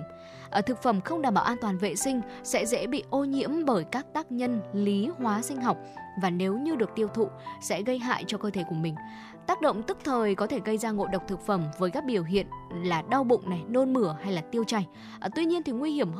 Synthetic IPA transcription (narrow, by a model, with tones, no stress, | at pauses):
ʔə˧˩t̪ʰɨ˨˩k̚fə˧˩mxə˧wŋ͡mɗaː˨˩mɓaː˧˩ʔaː˧nt̪waː˨˩nvḛ˧˨sï˧ŋ̟ | sɛ̰˧˥zɛ̰˧˥ɓḭ˧˨ʔo˧ɲḭ˧˥əmɓəː˧˩jkaː˦˥k̚t̪aː˦˥k̚ɲə˧nli˨˦hwaː˨˦sï˧ŋ̟ɦa˨˩wk͡p̚vaː˨˩ne˨˦wɲɨ˧ɗɨ˨˩ək̚t̪i˧əwt̪ʰṵ˧˨sɛ̰˧˥ɣə˧jɦa̰ː˧˨jt͡ɕɔ˧kəː˧t̪ʰe˧˩ku˧˩əmï˨˩ŋ̟ | t̪aː˦˥k̚ɗo̰˧˨wŋ͡mt̪ɨ˦˥k̚t̪ʰəː˨˩jkɔ˨˦t̪ʰe˧˩ɣə˧jzaː˧ŋo̰˧˨ɗə˨˩wk͡p̚t̪ʰɨ˨˩k̚fə˧˩mvəː˨˦jkaː˦˥k̚ɓi˧˩əwɦḭ˧˨ənlaː˨˩ɗa˧wɓʊ̰˧˨ŋ͡mna˨˩jno˧nmɨ˧˩əha˧jlaː˨˩t̪i˧əwt͡ɕa˧˩j | ʔt̪wi˧ɲi˧ənt̪ʰi˨˩ŋwi˧hi˧˩əm